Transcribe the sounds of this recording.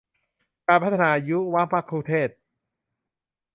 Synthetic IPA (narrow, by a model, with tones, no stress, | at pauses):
kaː˧npʰa˦˥t̪ʰːa˧naː˧ju˦˥wa˦˥pʰa˦˥˩kʰɾu˧t̪ʰeː˥˩t̪̚